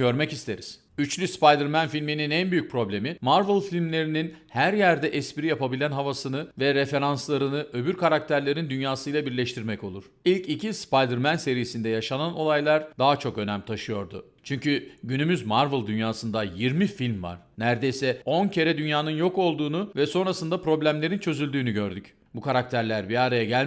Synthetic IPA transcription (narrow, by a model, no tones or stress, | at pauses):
ɟø̞ɾmɛcist̪ʰe̞ɾiz̥ | yt͡ʃlʲyspajd̪ɯɾmænfilʲmininænbyjyc̚pʰɾo̞blʲe̞mimaɾvɯlˠfilʲmlʲe̞ɾininhæɾjæɾd̪ɛʔɛspiɾijapabilʲænɦavasɯnɯvɛɾefe̞ɾanslˠaɾɯnɯʔø̞byɾkʰaɾak̚t̪ʰæɾlʲe̞ɾind̪ynjaːsɯjlˠabiɾlʲɛʃt̪ʰiɾmɛco̞lˠuɾ̥ilʲcicʰispajd̪ɯɾmænse̞ɾijesind̪ɛjaʃanano̞lˠajlˠaɾd̪aɦat͡ʃʰo̞kø̞næmt̪ʰaʃɯjo̞ɾd̪ʊ̰ | t͡ʃʰyɲcʰyɟynymyzmaɾvɯlˠd̪ynjaːsɯnd̪ajiɾmifilʲmva̰ɾ̥næɾd̪ejsɛo̞ncʰe̞ɾɛd̪ynjaːnɯnjo̞ko̞lˠd̪uːnuvɛso̞nɾasɯnd̪apɾo̞blʲæmlʲe̞ɾint͡ʃʰø̞zylʲd̪yːnyɟø̞ɾd̪yc | bukʰaɾak̚t̪ʰæɾlʲæɾbiaɾajaɟælʲ